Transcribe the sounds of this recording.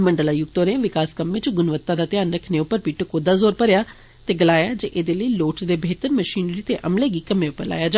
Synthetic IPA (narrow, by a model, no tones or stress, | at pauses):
məɳɖəlaːjʊɡt̪oːɾẽːʋɪkaːskəmːet͡ʃɡʊnʋət̪ːaːd̪aːt̪ɪjaːnɾəkʰneːʊpːəɾpiːʈkoːd̪aːzoːɾpəɾɪjaː | t̪eːɡəlaːjaːd͡ʒeːʔeːd̪eːləiːloːʈsd̪eːbeːt̪əɾməʃiːnɾiːt̪eːʔəmleːɡiːkəmẽːʊpːəɾla̰ːjaːd͡ʒa